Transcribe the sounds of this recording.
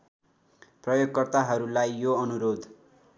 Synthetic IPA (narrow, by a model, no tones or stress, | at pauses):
prʌjoɡkʌrt̪aɦʌɾulajːoʌnuɾod̪ʱ